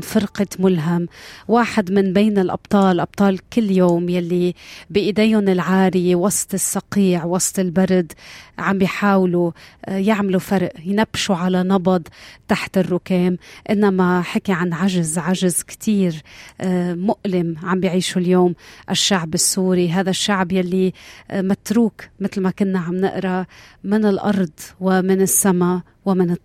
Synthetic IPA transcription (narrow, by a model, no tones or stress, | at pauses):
nfɪɾqɑmʊlɦamwaːħɪd̪mɪnbeːnɪlʔɑ̰b̚t̪ˤɑːlʔɑb̚t̪ˤɑːlkɪlːjoːmjalːibɪʔɪd̪eːjʊnɪlʕaːɾɪjewɑsˤt̪ˤɪsːɑqiːʕwɑsˤt̪ˤɪlbaɾˤd̪ʕambjħaːwlujɪʕmalufaɾˤʔjnabːʃuʕalanɑbɑd̪ˤt̪ːaħt̪ɪrːʊkeːmʔɪnːamaħakiʕanʕaʒzʕaʒɪzkt̪ʰiːɾ | mʊʔlɪmʕambjʕiːʃuljoːmʔɪʃːaʕbɪsːuːɾiɦaːðaʃːaʕbjalːimat̪ɾuːkmɪt̪lmakʊnːaʕamnɪ̰ʔɾɑmɪnɪlʔɑ̰ɾˤd̪ˤwɪmɪnɪsːama | wɪmɪnɨt̪ː